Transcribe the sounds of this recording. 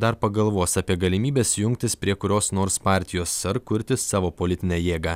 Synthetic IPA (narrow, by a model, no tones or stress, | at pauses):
d̪ɐɾpɐɡɐlˠʋoːsɑːpʲiɛɡɐlʲɪmʲiːbʲeːsjʊŋʲk̚t̪ʲɪspʲɾʲiɛkʊɾʲoːsnoːɾspɑːˑɾʲt̪ʲɪjoːsːɐɾkʊɾʲt̪ʲɪsɑːʋoːpoːlʲɪt̪ʲɪnʲɛːjeːɡɑ